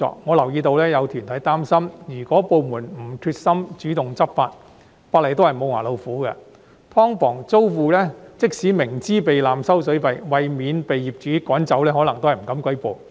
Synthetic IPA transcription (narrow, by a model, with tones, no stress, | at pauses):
ɔ̰ː˧k̚ŋɔ˨˧lɐ˨˩wjiː˧t̪o˧wlɛː˥jɐ˨˧wt̪ʰyː˨˩nt̪ʰɐ˨˥jt̪aː˥msɐ˥mjyː˨˩kɔː˨˥po˨˧wmuː˨˩nm̩˨˩t̪ʰyː˧t̚sɐ˥mt͡ʃyː˨˥t̪ʊ˨ŋt͡sɐ˥p̚faː˧t̚ | faː˧tle˨˩jt̪o˥whɐ˨jmo˨˧wŋaː˨˩lo˨˧wfuː˨˥ɡɐ̰˧ | p̪ʰɔː˥ŋfɔː˨˩ŋt͡so˥wfuː˨˧lɛː˥t͡sɪ˥k̚siː˨˥mɪ˨˩ŋt͡siː˥pe˨jlaː˨msɐ˥wsɵ˨˥ɥpɐ˨jwɐ˨jmiː˨˧npe˨jːiː˨p̚t͡ʃyː˨˥kɔː˨˥nt͡sɐ˨˥wlɛː˥hɔː˨˥lɐ˨˩ŋt̪o˥whɐ˨˩m̩˨˩kɐ˨˥mkʷɐ˥jpo˨˧w